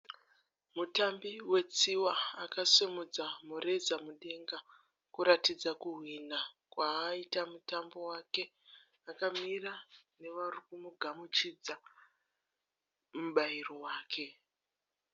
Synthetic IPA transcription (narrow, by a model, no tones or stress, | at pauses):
mutambiwe̞t͡siwaːkasemud͡zamure̞d͡zamuɗe̞ŋɡa | kuɾatid͡zakuɦwina | kwaːitamutambo̞wake̞ | akamirane̞ʋarikumuɡʱamut͡ʃid͡za | muɓairo̞waːkʰe̞